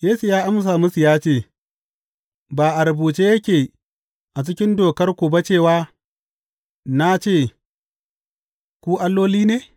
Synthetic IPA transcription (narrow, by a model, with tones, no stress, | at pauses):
jeː˦su˨jaː˦ʔa˦ms̬aː˨mʊ˦su˨jaː˦t͡ʃeː˦˨ | baː˨ʔa˨ɾa˨buː˨t͡ʃeː˦jɐ˦kʲeː˨ | ʔa˨t͡ʃɪ˦kʲɪ˦ndoː˨kɐ˦rkʷu˨bɐ˦t͡ʃeː˦˨waː˦ | na˦t͡ʃeː˦˨ | kʷu˦ʔa˦lːoː˦liː˦neː˦